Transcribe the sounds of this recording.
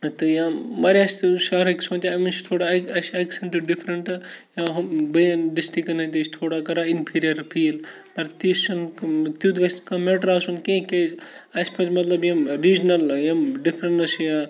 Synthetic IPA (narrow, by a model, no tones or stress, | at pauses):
t̪ɨjãmɐɾast̪ʃaːɾɐksõːt͡ʃaɐmint͡ʃt̪ʰoːɽaɐsɐksɐɳʈɨɖipʰɾɐɳʈjãːɦɐbɐɖisʈikɐnɐt̪isʰt̪ʰoːɽakɐɾainpʰiːɾijɐɾpʰiːl | pɐɾt̪ist͡ʃɐnt̪uːt̪ɡɐskameʈɾaːsunkẽked͡ʒɐspɐt͡ʃmɐt̪lɐbjɐmɾiːd͡ʒnɐljɐmɖipʰɾɐɳɐsja